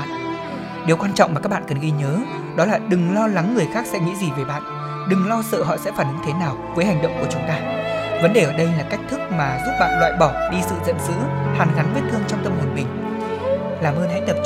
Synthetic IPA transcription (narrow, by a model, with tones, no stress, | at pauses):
ɗe˨˦wkwaː˧nt͡ɕɔ̰˧wŋ͡ma˨˩kaː˦˥ɓa̰ː˧˨kə˨˩nɣi˧ɲəː˨˦ | ɗɔ˨˦laː˨˩ɗɨ˨˩ŋlɔ˧la˨˦ŋːɨ˨˩əjxaː˦˥k̚sɛ̰˧˥ŋḭ˧˥zi˨˩ve˨˩ɓa̰ː˧˨n | ɗɨ˨˩ŋlɔ˧sə̰ː˧˨ɦɔ̰˧˨sɛ̰˧˥faː˨˩nɨ˨˦ŋt̪ʰe˨˦naː˨˩wvəː˨˦jha˨˩jŋ̟ɗə̰˧˨wŋ͡mku˧˩ət͡ɕʊ˨˦ŋ͡mt̪aː˧və˨˦nɗe˨˩ʔəː˧˩ɗə˧jlaː˨˩ka˦˥jk̚t̪ʰɨ˦˥k̚maː˨˩zu˦˥p̚ɓa̰ː˧˨nlwa̰ː˧˨jɓɔ˧˩ɗi˧sɨ̰˧˨zə̰˧˨nzɨ̰˧˥haː˨˦nɣa˨˦nɓi˦˥t̚t̪ʰɨ˧əŋt͡ɕɔ˧wŋ͡mt̪ə˧mhwə˨˩nɓï˨˩ŋ̟ | laː˨˩mʔəː˧nha̰˧˥ŋt̪ə˨˩p̚